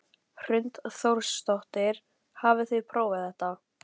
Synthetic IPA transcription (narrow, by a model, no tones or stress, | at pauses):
r̥ʏnt̪θowɾsːt̪oht̪ɪɾ̥ | haːvɪθiðpʰɾoːwvaθɛht̪a